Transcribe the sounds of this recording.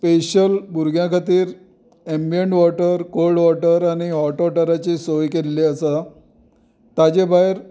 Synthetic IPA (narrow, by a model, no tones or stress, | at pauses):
peɕəlbuɾɡʱjãkʰat̪iːɾ | embijeɳʈʋɔʈəɾkolɖʋɔʈəɾañiɦɔʈʋɔʈəɾat͡ɕesojkelːeəsa | t̪ad͡ʑebajeɾ